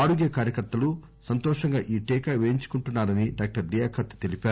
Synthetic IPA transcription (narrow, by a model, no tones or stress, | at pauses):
aːɽuɡjɐkaːɾjɐkɐɾt̪ːɐlu | sɐnt̪ɔːʂɐŋɡaːʔiːʈɛːkaʋeːɲt͡ʃu̥kuɳʈunːaːɾɐniɖaːk̚ʈɐɾd̪ijaːkʰɐt̪i̥t̪e̞lipaːɾu